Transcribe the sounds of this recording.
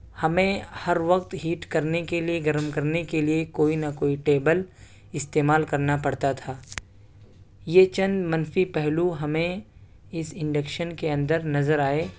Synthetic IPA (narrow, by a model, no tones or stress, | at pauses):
hɐmẽhɐɾʋɐqt̪ɦiːʈkɐɾnekelieɡɐɾəmkɐɾnekeliekoːinɐkoːiʈeːbəl | ɪst̪eːmaːlkɐɾnapɐɽt̪at̪ʰaː | jeːt͡ʃɐ̃nd̪mɐ̃nfipɛɦluɦɐmẽ | ɪsɪ̃ɳɖəkʃənkeɐ̃nd̪əɾnɐzəɾaːeː